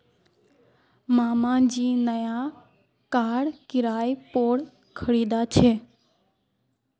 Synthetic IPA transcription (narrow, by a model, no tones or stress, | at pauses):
maːmãd͡ʒiːnəja | kaːɽkɪɾaːjpoːɽ | kʰəɽiːd̪at͡ʃʰeː